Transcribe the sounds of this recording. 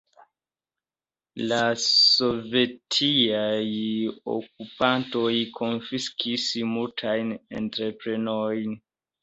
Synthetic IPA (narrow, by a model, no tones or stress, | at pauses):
laso̞ve̞tʰiajo̰k̚upantojkʰo̞nfiskʰismultʰajne̞̰ntɾe̞pɾe̞nojn